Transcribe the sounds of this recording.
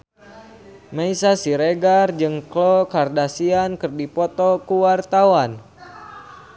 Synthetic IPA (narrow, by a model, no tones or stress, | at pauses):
maisasiɾeɡard͡ʒɨŋklɔkardasiankɨrdipɔt̪ɔkuwart̪awan